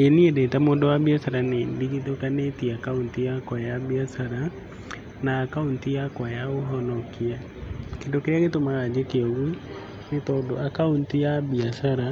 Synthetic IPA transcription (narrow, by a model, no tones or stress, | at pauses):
eniedetamoːndowabiasaɾanediɣitokanetiakauntijakwajaβiasaɾa | naːkauntijakwajaoɦɔnɔkia | kendokeɾeaɣetomaɣad͡ʑekeɔɣu | netɔdo̰ʔakauntijaβiasaɾa